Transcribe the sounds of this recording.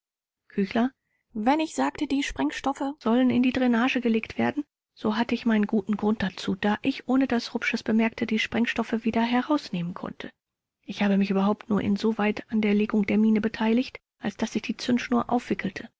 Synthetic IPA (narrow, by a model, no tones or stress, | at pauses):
kʰyːçlɐ | vɛnɪçz̥aːktədiːʃpʁ̥ɛŋʃtɔfəz̥ɔlənɪ̰ndiːdʁenaːʒəɡəleːktv̥eːɐdn̩ | z̥oːɦatəɪçmaɪnənɡuːtn̩ɡʁʊnt̚d̥at͡suːd̥aːʔɪçʔoːnədasʁʊpʃəsb̥əmɛɐktʰəd̥iːʃpʁ̥ɛŋʃtɔfəviːdɐɦɛʁaʊsneːmənkʰɔ̰ntʰə | ʔɪçhaːbəmɪçʔyːbɐɦaʊp̚tnuːɐʔɪ̰nzoːvaɪtandeːɐleːɡʊŋdeːɐmiːnəbətʰaɪlɪçt | ʔalsd̥asɪçd̥iːt͡sʏnsʃnuːɐʔa̰ʊfv̥ɪkʰl̩tʰə